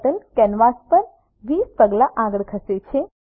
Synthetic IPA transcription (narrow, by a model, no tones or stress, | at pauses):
ʈəlkɛnʋaspəɾ | ʋiːspəɡlaʔãɡəɭkʰəset͡ʃʰe